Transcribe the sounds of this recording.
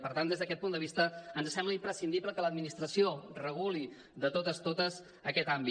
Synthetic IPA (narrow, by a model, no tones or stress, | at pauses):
pəɾt̪and̪ezðəkɛt̪̚pund̪əβist̪əənzəsɛmbləimpɾəsind̪ipləkələd̪minist̪ɾəsiorəɣ̞uli | ðət̪ot̪əst̪ot̪əz | əkɛt̪ambi